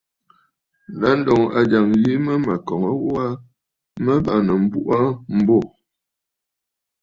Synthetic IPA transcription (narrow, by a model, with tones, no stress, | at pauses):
n˨da˦n̩˦dɔ˨ŋa˨d͡ʒa˨ŋji˦mə˦ma˨kɔ˨ŋə˦wwa˦ | mə˦ba˨nə˨m̩˨bu˦ʔa˦m̩˦bɔ˦˨